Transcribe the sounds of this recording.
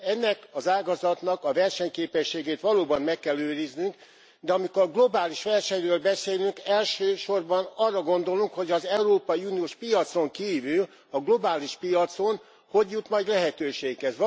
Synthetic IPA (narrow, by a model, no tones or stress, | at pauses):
ɛnːɛkɒzaːɡɒzɒt̪nɒkɒvɛrʃɛɲkeːpɛʃːeːɡeːt̪ʋɒloːbɒnmɛkːɛløːɾiznyŋk | d̪ɛɒmikoɡlo̞baːliʃʋɛrʃɛɲrøːlbɛseːlyŋkɛlʃøːʃo̞rbɒnɒrːɒɡo̞nd̪o̞luŋkho̞ɟɒzɛuɾoːpɒjiunioːʃpijɒt̪so̞ŋkiːvyl | ɒɡlo̞baːliʃpijɒt̪so̞n | ho̞ɟjut̪mɒjɟlɛɦɛt̪øːʃeːkhɛz